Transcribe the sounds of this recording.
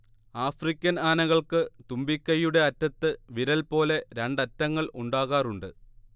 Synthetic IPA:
aːfrikʲːɐnaːnɐɣɐɭkɨt̪umbikʲːɐjːuɽe̞ɐtːɐt̪ːɨʋiɾɐlpo̞ːle̞ɾeɳɖɐtːɐŋːɐɭʔuɳɖaːɣaːruɳɖɨ

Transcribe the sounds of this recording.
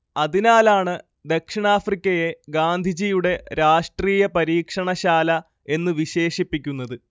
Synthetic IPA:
ɐðinaːlaːɳɨ | d̪ekʂiɳaːfrikʲːɐje̞ɡaːnd̪ʱid͡ʑijuɽe̞ɾaːʂʈriːjɐpɐɾiːkʂɐɳɐɕaːlɐ | e̞nːɨʋiɕe̞ːʂipːikʲːunːɐðɨ

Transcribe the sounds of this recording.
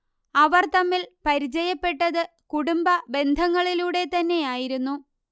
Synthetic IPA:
ɐʋɐrt̪ɐmːilpɐɾit͡ɕɐjɐpːe̞ʈːɐðɨ | kuɽumbɐbe̞nd̪ʱɐŋːɐɭiluːɽe̞t̪ɐnːe̞jaːjiɾunːu

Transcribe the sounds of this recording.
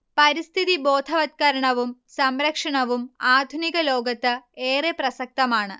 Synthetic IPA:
pɐɾist̪ʰiðibo̞ːd̪ʱɐʋɐt̪̚kɐɾɐɳɐʋumsɐmɾɐkʂɐɳɐʋumaːd̪ʱuniɣɐlo̞ːɡɐt̪ːɨeːreprɐsɐk̚t̪ɐmaːɳɨ

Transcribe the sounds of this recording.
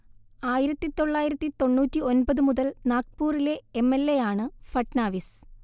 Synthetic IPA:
aːjiɾɐt̪ːit̪o̞ɭːaːjiɾɐt̪ːit̪o̞ɳːuːtːio̞nbɐðɨmuðɐlnaːk̚puːrile̞emːelːe̞jaːɳɨfɐʈnaːʋis

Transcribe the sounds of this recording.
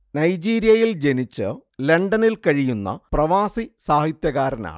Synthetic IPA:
nɐjd͡ʑiːɾijɐjild͡ʑe̞nit͡ɕːɨle̞ɳɖɐnilkɐɻijunːɐ̰prɐʋaːsisaːhit̪jɐɣaːɾɐna̰ːɳɨ

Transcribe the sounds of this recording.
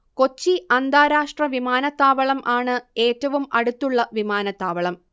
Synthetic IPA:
ko̞t͡ɕːiɐnd̪aːɾaːʂʈrɐʋimaːnɐt̪ːaːʋɐɭɐmʔaːɳɨe̞ːtːɐʋumɐɽut̪ːuɭːɐʋimaːnɐt̪ːaːʋɐɭɐm

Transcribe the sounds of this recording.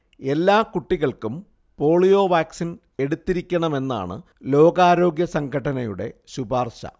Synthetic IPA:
e̞lːaːkuʈːiɣɐɭkum | po̞ːɭijo̞ːʋaːksin | e̞ɽut̪ːiɾikʲːɐɳɐme̞nːa̰ːɳɨ̰ | lo̞ːɡaːɾo̞ːɡjɐsɐŋɡʱɐʈːɐnɐjuɽe̞̰ɕubaːrʂɐ̰

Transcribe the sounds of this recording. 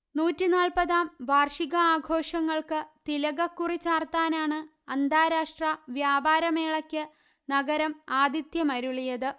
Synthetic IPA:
nuːtːinaːlpɐðaːmʋaːrʂiɣɐaːɡʱo̞ːʂɐŋːɐɭkɨt̪ilɐɣɐkːurit͡ɕːaːrt̪aːnaːɳɨ | ɐnd̪ʱaːɾaːʂʈrɐʋjaːbʱaːɾɐme̞ːɭɐkʲːɨ | nɐɡɐɾɐmaːd̪it̪jɐmɐɾuɭijɐðɨ

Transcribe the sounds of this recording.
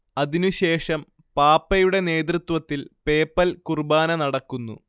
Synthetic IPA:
ɐðinuɕe̞ːʂɐm | paːpːɐjuɽe̞ne̞ːt̪rɨt̪wɐt̪ːilpe̞ːpːɐlkurbaːnɐnɐɽɐkːunːṵ

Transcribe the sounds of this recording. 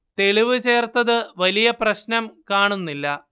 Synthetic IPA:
t̪e̞ɭiʋɨt͡ɕe̞ːrt̪ɐðɨʋɐlijɐprɐɕnɐmkaːɳunːilːɐ

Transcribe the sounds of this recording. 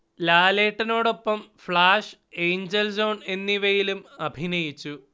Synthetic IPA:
laːleːʈːɐno̞ːɽo̞pːɐmfɭaːʂejɲd͡ʑelsoːne̞nːiʋejilumɐbʱinɐjit͡ɕːu

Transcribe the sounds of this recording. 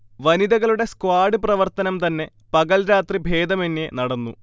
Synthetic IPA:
ʋɐniðɐɣɐɭuɽe̞skwaːɽɨprɐʋɐrt̪ɐnɐmt̪ɐnːe̞ | pɐɣɐlɾaːt̪ribʱe̞ːd̪ɐmenːe̞nɐɽɐnːṵ

